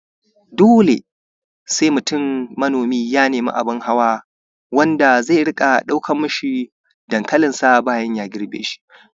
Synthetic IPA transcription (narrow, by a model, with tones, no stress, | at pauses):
doː˦lḛ˨ | sa˦jmʊ˨tʊ˦˨mːɐ˦noː˨miː˦jaː˦neː˨mḭ˦ʔa̰˨bɪ˦ŋha˦waː˦ | wɐ˦nda˨za˦˨jɽɪ˦kʼa˨ɗa˦wkʰɐ˦mːʊ˦ʃi˦˨ | d̥ɐ˨ŋkɐ˦lɪ˨nsa˦baː˦˨jɐ˦ɲjaː˦ɡʲɪ˦ɽbḛː˦ʃi̥˦